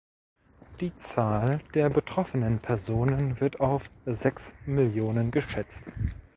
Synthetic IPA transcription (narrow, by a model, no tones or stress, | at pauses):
d̥iːt͡saːld̥eːɐbətʁ̥ɔfənənpʰɛɐzoːnənvɪɐtaʊfz̥ɛksmɪljoːnənɡəʃɛt͡st